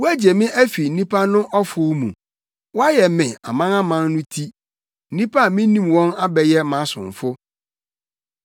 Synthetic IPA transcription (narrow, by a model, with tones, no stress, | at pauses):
wu˦æ˦d͡ʑe˨mɪ̃˦ʔæ˦fi˨n̩˨nĩ˦pʰa˦nʊ̃˦ʔɔ˦fʊ˦mṵ̃˨ | wɔ˦a˦jɛ˨mɪ̃˨a̰˨mã˦nã˦mã˦nnʊ̃˦tʰi˦ | n̩˦nĩ˦pa˦˨mĩ˦nĩ˦mwɔ̃˦na˦bɛ˨jɛ˦mã˨˦sʊ̰̃˨ɱ˨fʊ˦